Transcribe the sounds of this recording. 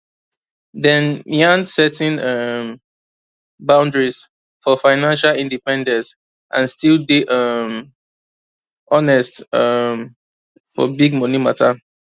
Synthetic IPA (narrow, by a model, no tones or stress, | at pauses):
dɛ̃niãnsɛtɛ̃nʌm | bãʊ̃ndɹis | fɔfaɪnãnʃalĩndipɛ̃ndɛ̃ns | ʔã̰nstildeʔʌm | ʔɔnɛstʌm | fɔ̰biɡ̚mɔnima̰tʰa